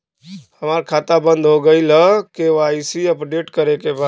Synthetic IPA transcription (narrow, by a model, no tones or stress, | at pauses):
həmaːɾkʰaːt̪abə̃nd̪ɦoɡəiləkeaːisiəpɖeːʈkəɾekeba